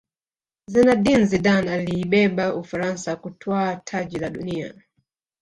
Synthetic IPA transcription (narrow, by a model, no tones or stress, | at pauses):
zɛnadinziɗanaliːɓɛɓaufaɾansakutʰwaːtʰaʄilaɗunia̰